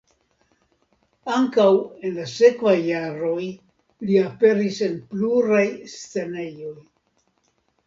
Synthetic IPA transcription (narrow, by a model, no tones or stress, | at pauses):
aŋkawe̞nlase̞kvajːaɾo̞j | liape̞ɾise̞npluɾajst͡se̞ne̞jo̞j